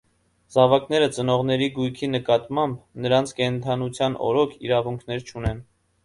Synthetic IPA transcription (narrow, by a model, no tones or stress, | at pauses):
zɑvɑkn̪ɛɾət͡sənɔʁn̪ɛɾiɡujkʰinəkɑt̪mɑmbnəɾɑnt͡sʰkɛnt̪ʰɑnut͡sʰjɑnɔ̰ɾɔkʰḭɾɑvuŋkʰnɛɾt͡ʃʰunɛn